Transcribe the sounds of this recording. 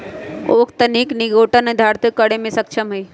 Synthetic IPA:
oːkt̪əniːkniɡoːʈənd̪ʱaːɾt̪kəɽemẽsɐkʃʰəmɦe

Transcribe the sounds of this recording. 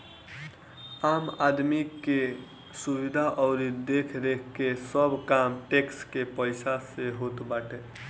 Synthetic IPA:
amad̪mike | suʋid̪ʱaʔɔːɾid̪ekʰɾekʰkesəbkamʈekskepəɪsaseɦot̪baːʈe

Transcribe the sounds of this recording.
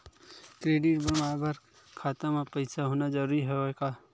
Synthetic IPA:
kɾeːɖɪʈbəɾmaːɾbəɾ | kʰaːt̪amapɛɪsaɦoːnad͡ʒɐɾuːɾiɦɛekaː

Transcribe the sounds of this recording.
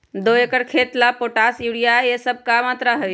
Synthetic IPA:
d̪oekəɽkʰet̪lapoʈasjuɽijajesəb̚kamat̪ɾaɦəj

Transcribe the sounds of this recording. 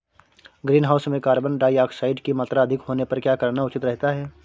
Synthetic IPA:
ɡɾiːnɦaːʊsmẽkaːɾbənɖaːjaːksaːɪɖkimaːt̪ɾaɐd̪ʱɪkɦoːnepɐɾkjaːkɐɾnaʊt͡ʃɪt̪ɾɛɦt̪aɦɛː

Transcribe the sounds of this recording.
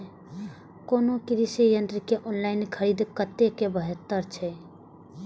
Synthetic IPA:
koːnokɪɾisijənt̪ɾikeʔonlaːɪnkʰəɾid̪kət̪ːekebəɦet̪ːəɾt͡ʃʰɛ

